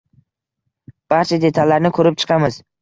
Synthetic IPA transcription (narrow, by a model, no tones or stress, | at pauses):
b̥aɾt͡ʃʰad̪e̞t̪ʰalːaɾnɪkʰɵɾɪp̚t͡ʃʰɨ̥qʰɑmɪz